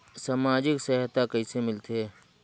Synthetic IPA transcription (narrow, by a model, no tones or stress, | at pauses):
samaːd͡ʒɪksɛɦət̪ːakɐisemɪlt̪eɦɛː